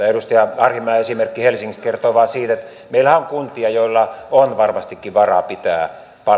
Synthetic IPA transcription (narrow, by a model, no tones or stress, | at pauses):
eɾust̪ɑjɑɑrhimːɑɑesimerkːihelsiŋːist̪̚kert̪oʋɑːˑsiːt̪et̪ | meilhæoŋkunt̪iɑjoilːɑonʋɑrmɑst̪ikːiʋɑrɑ̰pit̪æː | pɑ